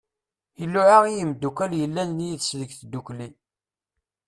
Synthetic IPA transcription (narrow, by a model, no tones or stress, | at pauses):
ilːʊʕaʁijəmd̪ːukʷæljəlːænnjiðsðəɡθd̪ːukli